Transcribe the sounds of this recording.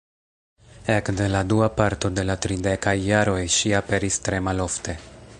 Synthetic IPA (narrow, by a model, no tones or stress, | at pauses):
ekde̞laduapaɾto̞de̞latɾidekajːaɾo̞jʃiape̞ɾistɾe̞malo̞fte̞